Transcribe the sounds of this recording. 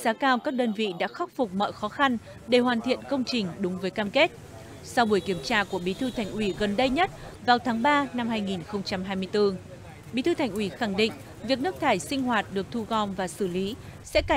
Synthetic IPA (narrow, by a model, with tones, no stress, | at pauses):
zaː˨˦kaː˧wkaː˦˥k̚ɗəː˧nvḭ˧˨ɗa̰ː˧˥xa˦˥k͡p̚p̚fʊ˨˩k͡p̚mɔ̰ː˧˨jxɔ˨˦xa˧n | ɗe˧˩hɦwaː˨˩nt̪ʰḭ˧˨ənkə˧wŋ͡mt͡ɕï˨˩ŋ̟ɗʊ˨˦ŋ͡mvəː˨˦jkaː˧mke˦˥t̚ | sa˧wɓu˧˩əjki˧˩əmt͡ɕaː˧ku˧˩əɓi˨˦t̪ʰɨ˧t̪ʰa˨˩jŋ̟ʔwi˧˩ɣə˨˩nɗə˧jɲə˦˥t̚vaː˨˩wt̪ʰaː˨˦ŋɓaː˧na˧mɦaː˧jŋi˨˩nxə˧wŋ͡mt͡ɕa˧mɦaː˧jmɨ˧əjt̪ɨ˧ | ɓḭ˧˥˦t̪ɨ˧t̪ʰa˨˩ŋ̟ʔwi˧˩xa˧˩ŋɗḭ˧˨ŋ̟ | vi˨˩ək̚nɨ˦˥k̚t̪ʰaː˧˩jsï˧ŋ̟hwaː˨˩t̚ɗɨ˨˩ək̚t̪ʰu˧ɣɔ˧˩nvaː˨˩sɨ˧˩li˨˦sɛ̰˧˥ka˧˩